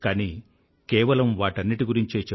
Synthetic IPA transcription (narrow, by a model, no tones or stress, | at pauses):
kaːniː | kɛːʋɐlɐmʋaːʈɐnːiʈiɡuɾiɲt͡ʃe̞ːt͡ʃe